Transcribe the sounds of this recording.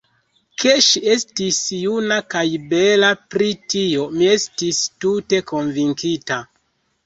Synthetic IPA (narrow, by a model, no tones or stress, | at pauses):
kʰe̞ʃie̞stisjunakajbe̞lapɾitio̞mie̞stistute̞ko̞nviŋkita